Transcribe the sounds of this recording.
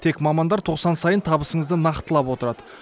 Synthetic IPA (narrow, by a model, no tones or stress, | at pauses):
t̪ʰe̞kmɑmɑnd̪ɑɾt̪ʰo̞qsɑnsɑjənt̪ʰɑbəsəɴəzd̪ənɑqt̪ːəlˠɑpwo̞t̪əɾɑd̪ə